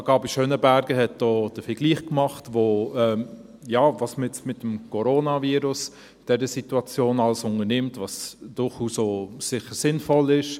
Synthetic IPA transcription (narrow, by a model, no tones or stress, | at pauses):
ɡ̥ɑːbiʃøːnəbæɾɡəɦɛt̚d̥ɔːd̥əfəɡ̥liːχkmɑχtʋoɛ | jɑːvɑsmɪɛt͡smɪtːəm̩kʰɔɾoːnɑviːɾʊs | d̥ɛɾəsituɑt͡sjoːnɑləsʊŋənɪmtvɑsd̥ʊɾχuːsosɪχəɾsɪnfɔlɪʃ